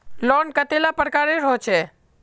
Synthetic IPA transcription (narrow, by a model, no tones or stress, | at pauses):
lɔɳkət̪elapəɾkaɾeɾot͡ʃʰe